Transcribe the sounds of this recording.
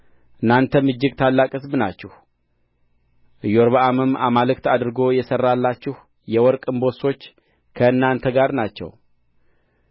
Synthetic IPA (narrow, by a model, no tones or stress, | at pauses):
ʔɨnːant̪ʰəmɨd͡ʒːɪɡt̪ʰalːakʼɨsbnat͡ʃːɪh | ʔɨjoɾβaʔamɨma̰malɨkt̪ad̪ɾɨɡo̞jɛsərːalːat͡ʃːɪh | jɛwɔɾkʼɨmbo̞so̞t͡ʃː | kʰəɨnːant̪ʰəɡaɾnat͡ʃːɛ̰w